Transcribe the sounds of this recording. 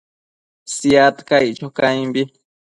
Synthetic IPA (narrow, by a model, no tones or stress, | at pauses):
sijat̪kajt͡ʃokajmbi